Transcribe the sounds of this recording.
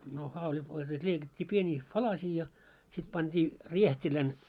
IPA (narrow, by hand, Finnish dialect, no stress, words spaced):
no hɑulʲit olʲ sels̆ĕt̆ leikɑtʲːiː pieniːks pɑlɑsiː jɑ sit pɑnd̥i riehtʲilæn